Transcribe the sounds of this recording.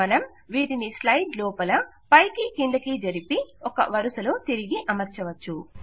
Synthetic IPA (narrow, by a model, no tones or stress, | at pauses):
ɐnɐm | ʋiːʈinislɐjɖlɔːpɐlɐ | pɐjkikiɳɖ̪ɐkiːd͡ʒɐɾipiɔkɐ̰ʋɐɾusɐlo̞ːt̪iɾiɡiʔɐmɐɾt͡ʃɐʋɐt͡ʃːu